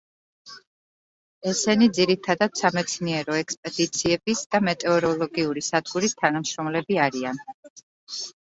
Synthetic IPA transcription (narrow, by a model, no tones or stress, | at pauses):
ɛsɛnid̪ziɾit̪ʰad̪ad̪̥samɛt̪sʰniɛɾɔɛkspʼɛd̪̥it̪sʰiɛbisd̪̥amɛt̪ʼɛɔɾɔlˠɔɡiuɾisad̪̚ɡuɾist̪ʰanamʃɾɔmlɛbiaɾian